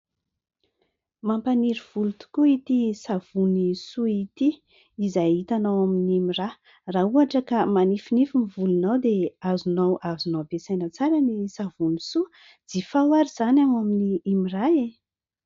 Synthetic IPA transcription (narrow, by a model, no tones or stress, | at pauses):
mampaniɾiv̥ulut̪u̥kuit̪isav̥unisuit̪iː | zajit̪anawaminimira | rauaʈ͡ʂəkamanifinifimivulunawd̪eazunawazunobesajnət͡saɾanisavunisu | d͡z̥ifawaɾiz̥anaŋaminiimirae